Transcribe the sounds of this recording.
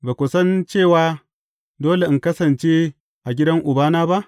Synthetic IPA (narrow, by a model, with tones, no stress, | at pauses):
baː˨kʷʊ˨sɐ˦nt͡ʃeː˦˨waː˦ | doː˦le˨ʔɨ˨ŋkɐ˦sɐ˨nt͡ʃeː˦ | ʔa˨ɡʲɪ˦dɐ˦ŋʔʊ˨baː˦naː˦ba˦ʔ